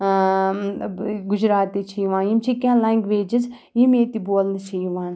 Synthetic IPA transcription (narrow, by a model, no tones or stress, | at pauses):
ɡʊd͡ʒɾaːt̪it͡ʃʰiʋãːimt͡ʃʰikʲãːlaːŋɡʋeːd͡ʒɪz | imeːt̪iboːlnɐt͡ʃʰijʋãːn